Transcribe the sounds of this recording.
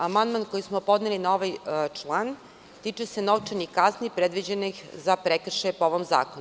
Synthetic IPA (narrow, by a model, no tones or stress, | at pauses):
amand̪mankojismopo̞d̪nelinaoʋajt͡ʂlˠan | t̪it͡ʃeseno̞ʋt͡ʃenikaznipɾed̪ʋid͡ʑenixzapɾekr̩ʃajepooʋomza̰ːkon